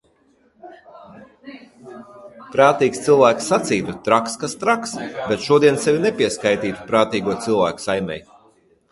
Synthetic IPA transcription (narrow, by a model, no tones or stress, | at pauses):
pɾaːt̪iːkst̪silˠvæːksːat̪siːt̪ut̪ɾakskast̪ɾaksbet̪ʃuɔd̪iɛnsevʲinɛpʲiɛskajt̪iːt̪u̥pɾaːt̪iːɡuɔt̪sɨlˠvæ̰ːku̥sajmʲɛ̰j